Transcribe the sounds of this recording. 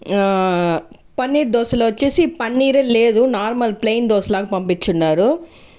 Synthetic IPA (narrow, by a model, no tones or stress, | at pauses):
pɐnːiːɾd̪ɔːsɐlɐːʋɐt͡ʃːeːsipɐnːiːɾeːleːd̪unaːɾmɐlplejnd̪ɔːslaːkɐpɐmpit͡ʃːunːaːɾu